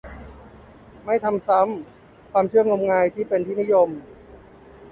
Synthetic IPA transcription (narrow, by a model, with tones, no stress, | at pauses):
ma˥˩jt̪ʰa˧msa˦˥˩m | kʰwaː˧mt͡ɕʰɯ˥˩əŋo˧mŋaː˧jt̪ʰiː˥˩pe˧nt̪ʰiː˥˩ni˦˥jo˧m